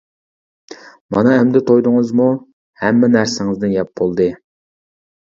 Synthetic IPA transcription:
mɑ̰nɑɛmd̪ɪt̪ʰojd̪ʊŋɨzmu | hɛmːɛnæɾsɪŋɪzd̪ɪnjɛp̚bolˠd̪ɨ

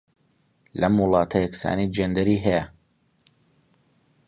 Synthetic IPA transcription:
lɐmwʊlˠɑːt̪ʰɐjɛksa̰ːnijd͡ʒend̪ɐɾiːɦɛjɐ

